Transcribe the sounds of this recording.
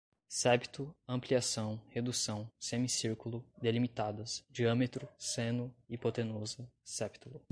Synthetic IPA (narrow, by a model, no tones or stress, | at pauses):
sɛbit̪ʊɐ̃pliasɐ̃w̃hed̪usɐ̃w̃sẽmisiɾkulʊd̪elimit̪ad̪ɐsd͡ʒiɐ̃met̪ɾʊsẽnʊipot̪ẽnozʊsɛpt̪ulʊ